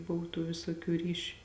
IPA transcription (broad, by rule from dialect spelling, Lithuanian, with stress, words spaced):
ˈbʊw tuː ˈʋʲeːsoːˌkʲuː ˈrʲiːʃʲʊ